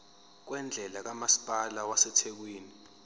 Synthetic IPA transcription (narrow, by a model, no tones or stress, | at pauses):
k̬wɛnd͡ɮʱɛlak̬amasi̥pʼalawasɛtʰek̬wiːni